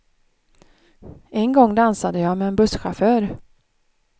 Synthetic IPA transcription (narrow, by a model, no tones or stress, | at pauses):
ɛŋɡɔŋːd̪ansad̪əjɑːmɛːnbɵsɧaføːɾ